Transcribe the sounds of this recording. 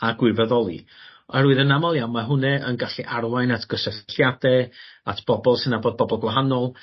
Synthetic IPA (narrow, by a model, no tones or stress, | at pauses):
aɡwɪvɛðɔlˠḭɛɾuɨðənamalˠjawmaɦʊnɛʔənɡaɬiʔarwajnatʰɡ̥əsəɬjadɛatʰb̥ɔbɔlˠsɨnaboːd̚bɔbɔlˠɡwaɦanɔlˠ